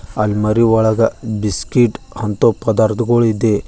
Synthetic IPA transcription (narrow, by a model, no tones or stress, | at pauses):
ɐlmɐɾiɔɭɐɡɐbiskiʈhɐnt̪opɐd̪aɾt̪ʰɡoɭid̪e